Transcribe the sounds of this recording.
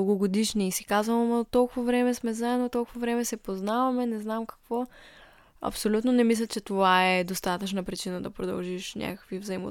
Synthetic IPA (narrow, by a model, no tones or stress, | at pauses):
ɡʊɡod̪iʃniːsikazvəmɐt̪ɔlˠkʊvɐvɾɛmɛsmɛzaɛd̪not̪ɔlˠkʊvɐvɾɛmɛsɛpoznavɐmɛnɛznamkɐ̥kvɔ | ɐ̰psolʲut̪nonɛmis̬lʲət͡ʃɛt̪ovaɛd̪ost̪at̪ət͡ʃnəpɾit͡ʃinəd̪ɐpɾod̪ɐ̰lˠʒiʃnʲʔa̰kə̥kvivzɐimo̰